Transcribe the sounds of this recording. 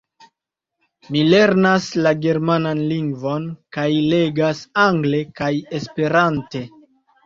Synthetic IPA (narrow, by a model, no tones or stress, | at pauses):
mile̞ɾnaslaɡe̞ɾmananliŋɡvo̞nkajle̞ɡasaŋɡle̞kaje̞spe̞ɾante̞